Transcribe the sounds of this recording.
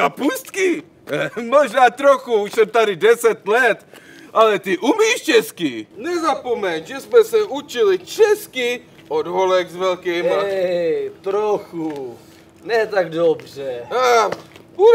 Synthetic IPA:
apust̪kɪ | moʒnaːt̪ɾoxuuʃsɛmt̪adɪdɛsɛt̪lɛt̪ | ʔalɛt̪ɪʔumiːʃt͡ʃɛskinɛzapomɛnʒɛsmɛsɛʔut͡ʃɪlɪt͡ʃɛski | odɦolɛkzvɛlkiːma | t̪ɾoxu | nɛt̪aɡdobrɛa | u

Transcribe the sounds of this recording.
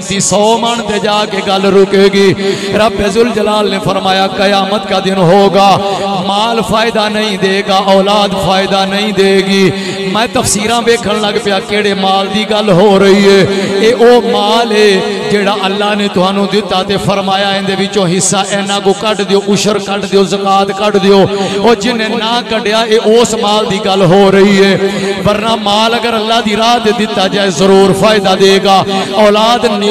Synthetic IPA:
t̪iːsɔːməɳt̪eːd͡ʒaːkeːɡəlɾʊkeːɡiː | ɾəbeːzʊld͡ʒəlaːlneːpʰəɾmaːjaːkəjaːmət̪kaːd̪ɪnɦoːɡaːmaːlpʰaːɪd̪aːnəĩːd̪eːɡaːʔɔːlaːd̪pʰaːɪd̪aːnəĩːd̪eːɡiː | mɛ̃ːt̪əfsiːɾãːʋeːkʰəɳləɡpɪjaːkeːɽeːmaːld̪iːɡəlɦoːɾəiːɦɛːeːʔoːmaːleːd͡ʒeːɽaːʔəlːaːɦnẽːt̪ʊɦãːnũːd̪ɪt̪ːaːt̪eːpʰəɾmaːjaːɪ̃nd̪eːʋɪt͡ʃõːɦɪsːaːʔɛːnãːɡoːkəɖd̪eoːʔʊʃəɾkəɖd̪eoːzəkaːt̪kəɖd̪eoːɔːɾd͡ʒɪnẽːnãːkəɖejaːʔeːʔoːsmaːld̪iːɡəlɦoːɾəiːɦɛː | bəɾnaːmaːləɡəɾəlːaːd̪iːɾaːd̪eːd̪ɪt̪ːaːd͡ʒaːeːzəɾuːɾpʰaːɪd̪aːd̪eːɡaːɔːlaːd̪n

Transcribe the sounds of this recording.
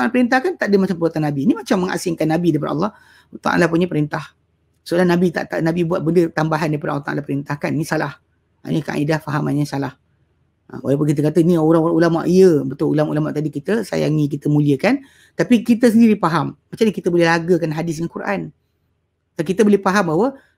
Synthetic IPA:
t̪alpəɾint̪̬ahkant̪aʔdəmat͡ʃampəbuat̪anːabinimat͡ʃamːə̃ŋa̰sɪŋkanːabidaipadəɑ̰lˠːɑh | t̪a̰ʔa̰nlapuɲəpəɾint̪ah | səəlanabit̪a̰ʔt̪aʔnabibuat̪̚bəndət̪ambaɦandaipadəʔa̰lːt̪a̰lahpəɾint̪ahkanːĩsalah | ʔa̰ɲəka̰ʔa̰idahfaɦamaɲəsalah | ə̰walawp̬ʊnkit̪̬əkat̪ənioɾaŋulama̰ʔiəbət̪ʊlulamṵlamaʔt̪adikit̪əsa̰ja̰ŋĩk̬it̪əmũliəkan | t̪apikit̪əs̬əndiɾipaɦamːat͡ʃamɲəkit̪əbolɛhlaɡəkanɦadɪs̬dəŋankuɾʔa̰n | tkit̪əbolɛhfaɦambaɦwə

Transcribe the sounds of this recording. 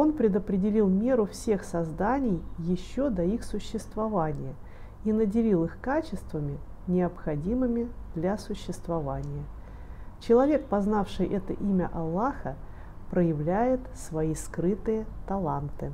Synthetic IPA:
o̞npɾʲɪd̪əpɾʲɪdʲɪlʲilˠmʲe̞ɾʊfsʲe̞xsɐzd̪anʲɪjjɪɕːod̪ɐixsʊɕːɪst̪vɐvanʲɪjə | inədʲɪlʲilˠɨxkat͡ɕɪst̪vəmʲɪ | nʲɪəpxɐdʲimɨmʲɪd̪lʲasʊɕːɪst̪vɐvanʲɪjə | t͡ɕɪlˠɐvʲe̞k̚pɐznafʂɨjʔɛt̪ə̰ʔimʲə̰ʔɐlˠːaxə | pɾəjɪvlʲæjɪt̪svɐiskɾɨt̪ɨjət̪ɐlˠant̪ɨ

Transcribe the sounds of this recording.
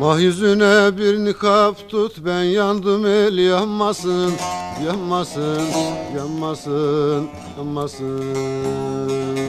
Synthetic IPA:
mɑhjyzynɛbiɾnikʰɑpt̪ʰut̪bænjɑnd̪ɯmelijɑpmɑsɯnjɑpmɑsɯnjɑpmɑsɯn | jamɑsɯ

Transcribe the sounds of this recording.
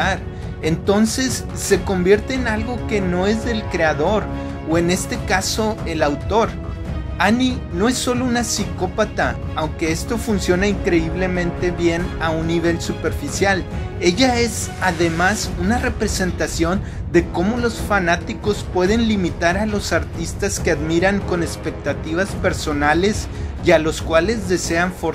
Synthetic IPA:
aɾ | e̞nt̪o̞nse̞sː | e̞ko̞mbje̞ɾt̪e̞ːnalɣo̞ke̞no̞e̞zðe̞lkɾe̞aðo̞ɾ | oe̞ne̞st̪e̞kaso̞e̞lawt̪o̞ɾ | ani | no̞e̞sːo̞lounasiko̞pat̪aːwŋke̞e̞st̪o̞funsjo̞naiŋkɾe̞iβle̞mẽ̞nt̪e̞βje̞naunːiβe̞lsupe̞ɾfisjale̞ʝae̞saðe̞masunare̞pɾe̞se̞nt̪asjo̞n | d̪e̞ko̞mo̞lo̞sfanat̪iko̞spwe̞ðe̞nlimit̪aɾalo̞saɾt̪ist̪aske̞aðmiɾaŋko̞ne̞spe̞k̚t̪at̪iβaspe̞ɾso̞nale̞sjalo̞skwale̞zðe̞se̞aɱfoɾ

